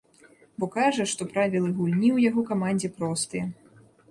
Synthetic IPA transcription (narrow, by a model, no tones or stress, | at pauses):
bɔkaʐɐʂt̪ɔpɾavʲilˠɨɣulʲnʲiwjaɣɔkamanʲd͡zʲɛpɾɔst̪ɨjɛ